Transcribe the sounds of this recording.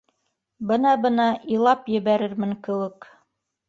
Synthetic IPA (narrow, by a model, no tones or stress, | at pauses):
bɤnɑbɤ̆nɑʔilˠɑpjɘ̆βæɾɘɾmɘŋkɘ̆wɘk